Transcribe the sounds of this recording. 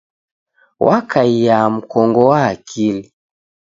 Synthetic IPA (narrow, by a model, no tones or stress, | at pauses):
wʔakaijam̩kɔŋɡɔwaːkʰili